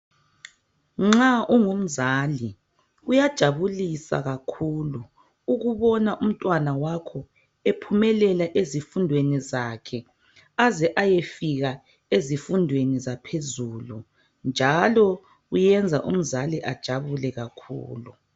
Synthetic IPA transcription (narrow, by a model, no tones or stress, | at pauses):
ŋ͡ǁaʔuŋum̩zaːli | ujad̥ʒ̥ʱaβulisa̰ɣakʰuːlu | uɣuβɔnaʔum̩tʼwanawakʰɔ | epʰumɛlɛlaʔezifundʱwenizakʰɛ | azɛʔajefiɣa | ezifundʱwenizapʰezulu | nd͡ʒʱalɔ | ujɛnd͡zʱaʔṵm̩zaliʔad̥ʒ̥ʱaβulɛɣakʰṵːlu